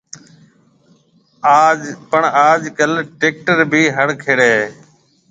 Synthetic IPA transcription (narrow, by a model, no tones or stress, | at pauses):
aːpəɳaːd͡ʒkəlʈeːk̚ʈəɾbʱiːɦəɽkʰeːɽeː